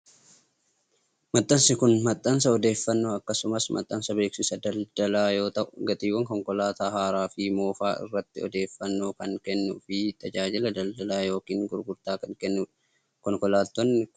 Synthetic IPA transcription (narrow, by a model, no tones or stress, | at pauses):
mɐt̪ʼːɐnsɪkʊnmɐt̪ʼːɐns̬ɐɔd̪e̞ːfːɐnːoːɐkːɐsʊmɐsmʔɐ̰t̪ʼːɐnsɐbe̞ːksɪsɐd̪ɐld̪ɐlaːjo̞ːt̪ɐʔʊɡɐt̪ʼiːwːɐŋkɔŋkɔlaːt̪aːɦaːɾaːfɪmo̞ːfaːʔɪ̰rːɐt̪ːɪɔ̰d̪e̞ːfːɐnːoːkɐŋkɛnːʊfɪt̪ʰʼɐd͡ʒaːd͡ʒɪlɐd̪ɐld̪ɐlaːjo̞ːkiːŋɡʊɾɡʊɾt̪aːkɐŋkɛnːʊ | kɔŋkɔlaːt̪ːɔnːɪ